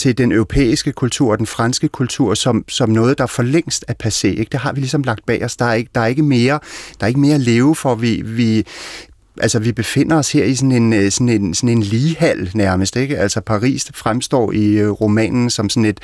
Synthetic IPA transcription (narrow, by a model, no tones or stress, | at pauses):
t͡sʰe̝ld̥enœʊʁo̝pʰḛːisɡ̥əkʰult͡sʰuɐ̰ɒ̽d̥enfʁansɡ̥əkʰult͡sʰuɐ̰sɒ̽msɒ̽mnɔ̽ːð̞̩ˠd̥ɑ̈æfɒ̽leŋ̰sd̥æpʰæse̝̰ːeɡ̥d̥e̝ɦɑ̈ʋilisɒ̽mlɑ̈ɡ̥̚d̥̚b̥ɛ̰ːɒsd̥ɑ̈æɐeɡ̥əd̥ɑ̈æɐe̝ɡ̥əme̝ːɐd̥ɑ̈ɐe̝ɡ̥əme̝ːɐle̝ːʊfɒ̽ʋiʋi | ʔælsɒʋib̥e̝fe̝n̰ɐɒ̽she̝ɐ̰isɒ̽ne̝nsɒne̝nsɒne̝nliːhæl̰næɐməsd̥eɡ̥æl̰sɒpʰɑ̈ʁḭːsfʁamsd̥ɒ̰ːiʁo̝mɛ̰ːnn̩sɒ̽msɔ̽ne̝d̥